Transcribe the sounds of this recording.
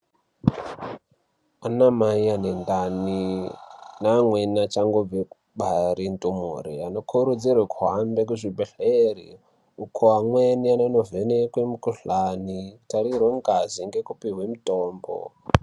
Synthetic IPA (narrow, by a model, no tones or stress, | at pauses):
anamaianendani | namwenat͡ʃaŋɡob͡ve | ɓaɾintʼumṵɾḭano̞kʰuɾud͡zirwekʰuɦambek̬uʐibʱeɬerḭ | ukʰoamwenianonovenekwemukuɬanitaɾirweŋɡaziŋɡekupiɦwemuitoːmbo̰